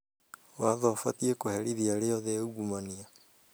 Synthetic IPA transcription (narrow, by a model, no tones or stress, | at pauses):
waðɔfatiekohɛɾiðiaɾeɔðɛuɡumania